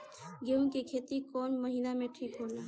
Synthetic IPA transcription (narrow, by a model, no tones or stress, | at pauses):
ɡenkikʰeːt̪ikɔːnməɦiːnamẽʈʰiːkɦola